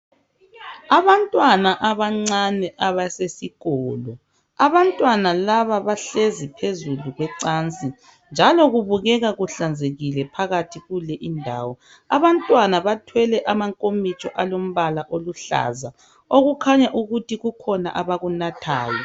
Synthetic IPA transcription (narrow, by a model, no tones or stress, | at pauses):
aβantʼwanaʔaβaŋ͡ǀanɛʔaβasesiɣɔːlɔ | aβantʼwanalaβaβaɬezipʰezuluɣwɛǀant͡sʼi | nd͡ʒʱalɔɣuβuɣɛɣaɣuɬand͡zʱeɣilɛpʰaɣatʰiɣulɛʔindʱa̰ːwɔ | aβantʼwanaβatʰwɛlɛʔamaŋkʼomit͡ʃʼɔʔalom̩βalaʔoluɬa̰za | oɣukʰaɲaʔuɣutʰiɣukʰɔnaʔaβaɣunatʰaːjɔ